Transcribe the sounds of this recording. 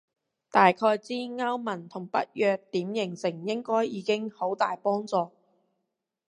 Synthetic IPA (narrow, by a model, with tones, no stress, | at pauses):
t̪aː˨jkʰɔː˧jt͡siː˥ŋaː˥wmɐ˨˩nt̪ʰʊ˨˩ŋpɐ˦˥t̚jœː˨˧k̚t̪iː˨˥mjɪ˨˩ŋsɪ˨˩ŋjɪ˥ŋkɔː˥jiː˨˧kɪ˥ŋho˨˥wt̪aː˨jpɔː˥ŋt͡sɔː˧